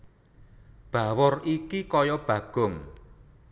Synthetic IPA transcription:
b̥a̤wʊrikikɔjɔb̥ä̤ɡ̥ʊ̤ŋ

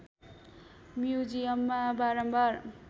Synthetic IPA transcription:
mjud͡zijʌmːabaɾʌmbʌr

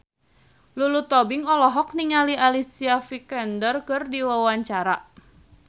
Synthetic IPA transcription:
lulut̪ɔbiŋɔlɔɦɔk̚niŋalialisiafikɛndərkɨrdiwawaɲt͡ʃaɾaʔ

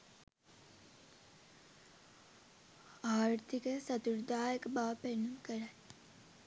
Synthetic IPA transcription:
aːɾt̪ʰikəsɐt̪uɾd̪aːjəkbaːpenumkəɾa

